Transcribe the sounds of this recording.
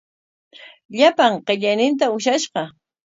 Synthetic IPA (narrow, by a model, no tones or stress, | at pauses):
ʎapaɴqeʎajnɪnt̪̬aʊʃaʃɢɑ